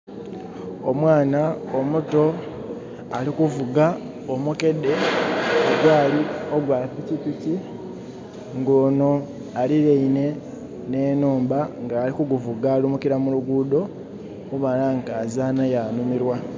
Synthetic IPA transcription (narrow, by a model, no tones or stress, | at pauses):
o̞mwaːnaomuto̞ | alikuvuɡa | omuke̞de̞oɡwaːlio̞ɡwaːpicipici | ŋɡoːno̞ | aliɾeine̞ | ne̞nuːmbaŋɡaːlikuɡuvuɡalumukiɾamuluɡuːdo̞ | kuβalaŋɡazaːnajanumiɾwa